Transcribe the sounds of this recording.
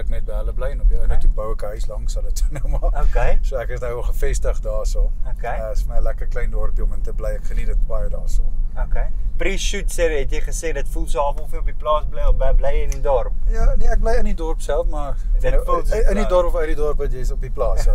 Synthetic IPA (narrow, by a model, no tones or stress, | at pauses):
əknɛt̚bɦələblɛjənɔpələkətukbɐwəkəɦœɥslɐŋsɐnətsənəwmɑːokesoːækəsdɐwɔlˠχəfɛstəχdɑːsɑːmokeəəsfəməəlækərkləjndɔrpiɔməntəblɛjækχənitətbɑjədɑ̰ːsɑ̰ːmokepriʃutsɛrɦɛtjəjχəseːdɐtfulˠsəɑfɔlˠfiəɔpiplɑːsbləjɔbɛblɛjənidɔrp̚jɑniæk̚blɛjənidɔrpsælˠfmɐdənfənidɔrpɔfəɥt̚didɔrpvɐtjəjsɔpiplɑːsɛ